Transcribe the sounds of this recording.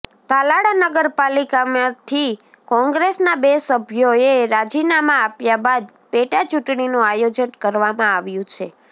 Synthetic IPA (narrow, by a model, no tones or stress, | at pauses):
t̪alaɽanəɡəɾpalikamat̪ʰi | kɔ̃ŋɡɾesnabesəbʱjoeɾad͡ʒinamãapjabad̪ | peʈat͡ʃuʈɳinũajod͡ʒənkəɾʋamãaʋjũt͡ʃʰe